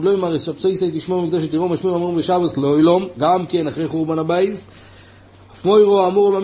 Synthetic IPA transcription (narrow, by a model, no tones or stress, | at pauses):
dlojmaʁesapsojsait̪iʃmomikd̪oʃ̬et̪iʁomaʃmiamubeʃabaslojlomɡamkenaχʁejχuʁbanabajz | afmojʁoamuʁomam